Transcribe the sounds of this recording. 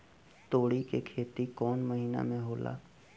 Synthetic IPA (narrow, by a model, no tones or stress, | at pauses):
t̪oːɽikekʰeːt̪ikɔːnmɐɦiːna̰mẽɦoːla̰ː